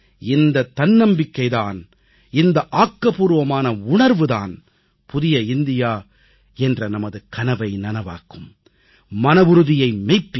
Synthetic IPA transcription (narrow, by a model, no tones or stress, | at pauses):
ɪnd̪ɐt̪ːɐnnɐmbɪkːɐɪðaːn | ɪnd̪ɐʔaːkːɐpuːɾʋɐmaːnɐʊɳɐɾʋɯða̰ːn | pʊðɪjɐɪnd̪ɪjaː | ɛndrɐnɐmɐðɯkɐnɐʋɐɪnɐnɐʋa̰ːkːɯmː | ɐnɐʋʊɾɯðɪjɐɪmɛɪpːɪ